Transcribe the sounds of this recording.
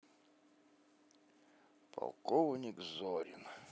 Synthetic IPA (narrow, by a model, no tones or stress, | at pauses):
pʰa̰lˠkɔvnʲikzɔɾʲɪ̰n